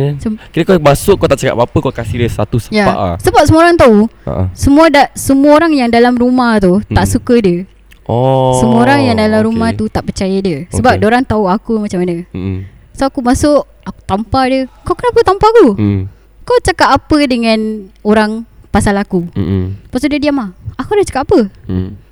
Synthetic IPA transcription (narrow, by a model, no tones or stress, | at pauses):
səkiɾəkamasʊʔkːat̪aʔt͡ʃaka̰papəkakasidəsa̰t̪usəjapaʔsəbap̚səmũoɾaŋt̪aua̰ʔsəmũadaʔsəmuaoɾaŋjaŋdalamrumaht̪ut̪aʔsukədiə | ɔsəmuoɾaŋjaŋdalamɾumaht̪ut̪aʔpərt͡ʃajadiəsəbap̚doɾaŋt̪auakumat͡ʃamanə | soakumasʊʔ | aku̥t̪ampadiəkawkənapət̪ampaaku | kawt͡ʃakat̪apədəŋãnoɾaŋpasalakupast̪udadiamaakudaht͡ʃakatːapə